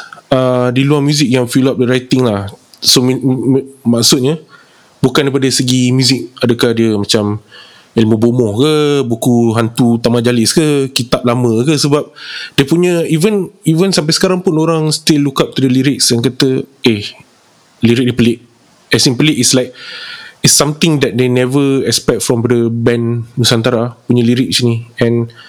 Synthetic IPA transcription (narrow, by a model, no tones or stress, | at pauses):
adiluarmjuzik̚jaŋfilap̚dəɾajt̪ɪŋlahsom | maksʊt̪̚ɲə | bukãndaipadəsəɡimjuzɪk̚adəkahdiəmat͡ʃam | ilməbomɔhkəbukuɦant̪ut̪amad͡ʒalɪskəkit̪ap̚lamə̃kəsəbap̚depuɲəivənivənsampajsə̥kaɾaŋpʊnoɾaŋst̪ɪlːukap̚t̪udəliɾɪk̚sɛnkat̪əe | liɾɪk̚dipəlɪʔ̚ | ɛsĩnpəlɪʔɪslaɪjk̚ɪsamt̪ɪ̃ŋdɛt̪̚denɛvəɛkspɛk̚t̚fɾɔ̃mdəbɛ̃nmusant̪aɾapuɲəliɾɪk̚sniɛ̃n